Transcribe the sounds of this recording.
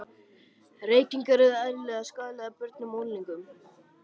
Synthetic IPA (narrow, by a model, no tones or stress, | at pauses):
reːjc̪iŋkɛɾʏðaðɾɪlɛɣaskaːlapʏɾt̪nʏmowlniŋkʏm